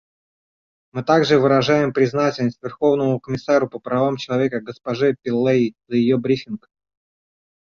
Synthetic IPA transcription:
mɨt̪aɡʐɨvɨɾɐʐajɪmpɾʲɪznatʲɪlʲnəsʲt̪ʲvʲɪrxo̞vnəmʊkəmʲɪsaɾʊpəpɾɐvamt͡ɕɪlˠɐvʲekəɡəspɐʐɛpʲɪlˠːezəjɪjobɾʲifʲɪnk

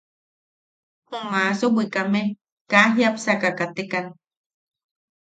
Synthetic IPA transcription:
humasobikame | kaɦjapsakakat̪ekan

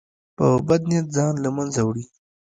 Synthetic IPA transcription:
pəbad̪̚nijat̪̚zɑnlamanzawɽi

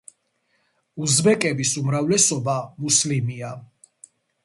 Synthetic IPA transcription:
uzbɛkʼɛbisumɾavlɛsɔbamuslimia

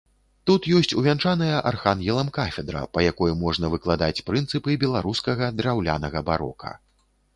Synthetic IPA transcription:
t̪ut̪jɔsʲt͡sʲuvʲant͡ʂanɐjɐʔarxanjɛlˠɐmkafʲɛd̪ɾɐ̰pɐjakɔjumɔʐn̪ɐvɨklˠad̪at͡sʲpɾɨnt̪sɨpɨbʲɛlˠaɾuskɐɣɐd̪ɾawlʲanɐɣɐbaɾɔ̰kʰɐ̰

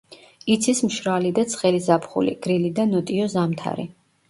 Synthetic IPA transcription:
it̪sʰismʃɾalid̪at̪sʰχɛlizapʰχṵlḭɡ̥ɾilid̪anɔt̪ʼiɔzamt̪ʰa̰ɾḭ

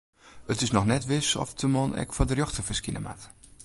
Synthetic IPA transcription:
ətɪsnɔxnɛtʋɪsɔ̰ftəmɔnɛ̰kfɔdərjɔxtəfəskinəma̰t

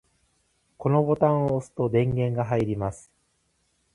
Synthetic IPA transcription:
ko̞no̞bo̞t̪ãɰ̃oːsɨ̥t̪o̞d̪ẽ̞ŋɡẽ̞ŋɡaɦaiɾʲimasɨ̥

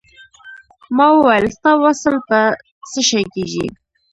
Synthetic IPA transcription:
mɑwwajəlst̪awasəlpə | t͡səʃajkeʒḭ

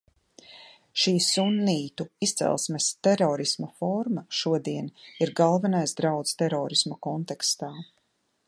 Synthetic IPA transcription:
ʃiːsunːiːt̪uist̪sɛ̰lˠsmɛst̪ɛɾɔːɾismɐfɔɾmaʃuɔd̪iɛniɾɡalˠvɛnajsd̪ɾawt̪st̪ɛɾɔːɾismɐkɔnt̪ɛkst̪aː

